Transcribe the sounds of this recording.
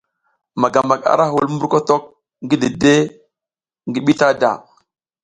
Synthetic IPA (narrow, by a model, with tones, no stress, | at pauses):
ma˨ɡa˨mba˨ka̰˨ɾa˦hu˨lmu˦ɾko˦to˦k̚ | ŋɡi˦di˨de˦ | ŋɡi˦ɓi˦ta˦da̰˨